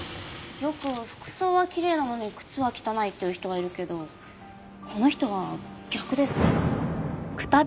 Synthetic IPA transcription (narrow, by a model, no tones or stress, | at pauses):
jo̞kɯ̟ɸɯ̟̥kɯ̟̥so̞ːβakʲiɾe̞ːnano̞ɲikɯ̟̥t͡sɨβakʲi̥t̪anait̪ːe̞jiɯ̟çi̥t̪o̞βaiɾɯ̟ke̞d̪o̞ | kʰo̞no̞çi̥t̪o̞β̞aɡ̥ʲakɯ̟d̪e̞sɨ̥ | kɯ̟̥t̪a